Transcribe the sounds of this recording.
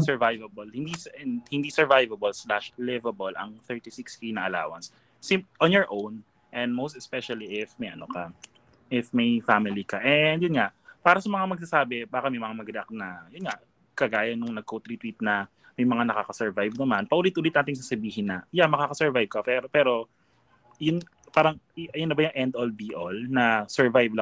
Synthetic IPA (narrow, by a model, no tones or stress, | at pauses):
sɛɹvajvɐbɐlhɪnd̪ishɪnd̪isɛɹvajvɐbɐlslaʃlɛvɐbolʔɐ̰ŋθɛɹt̪isikskinɐʔɐla̰ːwɐ̰nsː | ɪmʔɐnjɔɹʔown | ʔɛ̃nd̪̚mowst̪ɛspɛʃɐliʔɪfmɐjʔɐno̰kɐ | ʔɪfmɐjfamɪlikɐʔɛnd̪jʊnŋaʔpaːɾɐsɐmɐŋamɐɡ̚s̬asaːbɛbaːkɐmɐjmɐŋamɐɡɾɛa̰k̚nɐjʊnŋaʔ | kɐɡaːjɐnʊŋnɐɡ̚kot̪ɾit̪wit̪̚nɐ | mɐjmɐŋanɐkakɐsɛɹvajvnɐmanpɐʔuːlɪt̪̚ʔulɪt̪naːt̪ɪŋs̬asɐbiːhɦɪnːɐjamɐkaːkɐsɛɹvajb̚kɐpɛɾopɛːɾo̞ | jʊn | paːɾɐŋjʊnːɐbajʊŋʔɛnd̪olbiʔolnɐsɛɹvajvlɐ